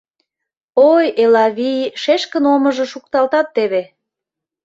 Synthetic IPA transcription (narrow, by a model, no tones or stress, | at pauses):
ojelɑβijʃeʃkə̆nomə̆ʒə̆ʃukt̪ɑlt̪ɑt̪ːeβe